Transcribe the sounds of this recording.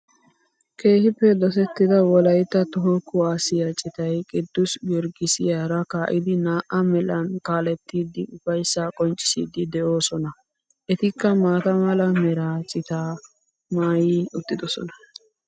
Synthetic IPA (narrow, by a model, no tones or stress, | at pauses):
ke̞ːhɪpːɛd̪ɔs̬ɛt̪ːɪd̪ɐwɔlɐjt̪ːɐt̪ɔɦɔkːʊaːsɪjat͡ʃʼɪt̪ɐjkʼɪd̪ːʊsɡɛɾɡɪsɪjaːɾɐkaːʔɪd̪ɪnaːʔɐmɛlɐnkaːlɛt̪ːiːd̪ɪʔʊfɐjsːaːkʼɔnt͡ʃʼɪ̥sḭːd̪ɪd̪ɛʔo̞ːsɔnɐ | ʔɛt̪ɪkːɐmaːt̪ɐmɐlɐmɛɾaːt͡ʃʼɪt̪aː | maːjiːʊt̪ːɪd̪ɔsɔ̰nɐ̥